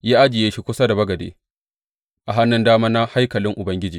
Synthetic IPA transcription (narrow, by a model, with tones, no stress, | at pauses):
jaː˦ʔa˦d͡ʒɪ˨jeː˦ʃi˦kʷʊ˦sa˦da˨bɐ˦ɡɐ˨dḛː˨ | ʔa˨ɦa˦nːɪ˦ndaː˦maː˦na˦ha˦jkɐ˨lɪ˦ŋʔʊ˨bɐ˦ŋɡʲɪ˦d͡ʒiː˨